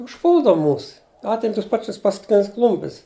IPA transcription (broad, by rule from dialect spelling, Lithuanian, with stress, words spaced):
ʊʃˈpuːlˠdɐw ˈmuːs ˈɑːtʲɪm ˈtʊs ˈpɑːt͡ʃʲɪs pɐskʊˈtʲɪnʲɪs ˈklˠʊmʲpʲɪs